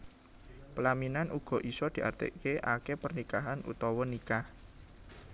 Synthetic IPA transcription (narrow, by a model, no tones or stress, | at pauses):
pəlaminanʔuɡ̥ɔ̤ʔisɔd̪̥i̤ʔa̰rt̪ḛʔkeʔakepərnikaɦanṵt̪ɔwɔnikah